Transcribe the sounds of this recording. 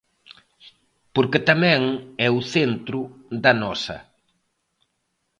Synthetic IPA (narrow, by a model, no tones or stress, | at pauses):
poɾkɪt̪amɛ̃ŋɛuθent̪ɾʊðɐnɔsɐ̰